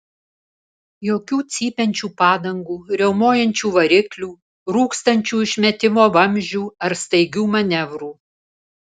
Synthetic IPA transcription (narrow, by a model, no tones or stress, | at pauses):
joːkʲuːt̪sʲiːpʲɛnʲt͡ʃʲuːpɑːd̪ɐŋɡuːɾʲɛʊmoːjɛnʲt͡ʃʲuːʋɐɾʲɪklʲuː | ɾuːkst̪ɐnʲt͡ʃʲuːɪʃʲmʲɛt̪ʲɪmoːʋɐmʲʒʲuːɐɾst̪ɐɪɡʲuːmɐnʲɛʋɾuː